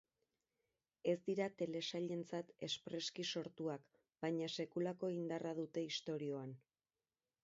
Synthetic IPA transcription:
e̞zd̪iɾat̪e̞le̞saʎe̞nt͡sat̪e̞spɾe̞skiso̞ɾt̪uak | bajɲase̞kulako̞ind̪araðut̪e̞ist̪o̞ɾio̞an

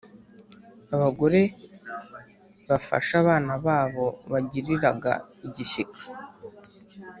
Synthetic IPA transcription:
aβaɡo̞ɾe̞ | βafa̰ʃaβaːnaβaːβo̞βaɟiɾiɾaɡa̰iɟiʃikʰḁ

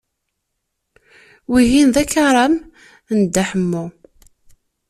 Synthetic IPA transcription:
wiɦinðækːaɾˤɑm | nd̪ːaħəmːʊ

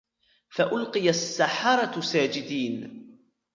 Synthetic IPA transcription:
faʔʊlqɨjasːaħɑɾˤɑsaːd͡ʒɪd̪iːn

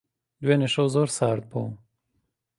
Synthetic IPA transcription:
d̪weneʂowzoɾsɑːɾd̪̚bo

